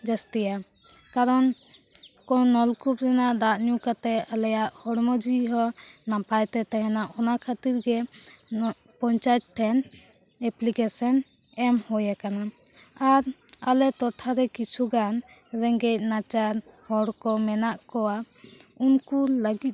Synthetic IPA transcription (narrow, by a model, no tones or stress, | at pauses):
d͡ʒast̪ija | kaɾɔn | kɔnɔlkup̚ɾɛnaʔd̪aʔɲukat̪ɛalɛjaʔhɔɽmɔd͡ʒiɦɔnapajt̪ɛt̪aɦɛnaʔɔnakʰat̪iɾɡɛ | pɔɲt͡ʃajt̪̚ʈʰɛn | ɛplikɛsɔn | ɛmhɔjakana | aɾalɛt̪ɔʈʰaɾɛkit͡ʃʰuɡan | ɾɛŋɡɛc̚nat͡ʃaɾhɔɽkɔmɛnaʔkɔwa | unkuləɡit̪̚